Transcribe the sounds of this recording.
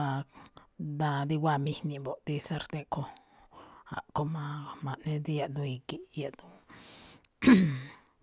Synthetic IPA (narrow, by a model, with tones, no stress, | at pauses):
a˧kd̪a˧d̪i˦wa˧mi˧hni˧bo˨ʔd̪i˦sa˧ɾt̪e˧ko˧ | a̰˨ʔko˧ma˧ma˨ne˦d̪i˦ja˧d̪u˧i˧ɡi˧ja˨d̪u˦